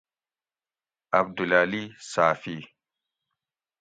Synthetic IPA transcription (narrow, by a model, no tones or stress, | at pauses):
ab̚dulalisaːfi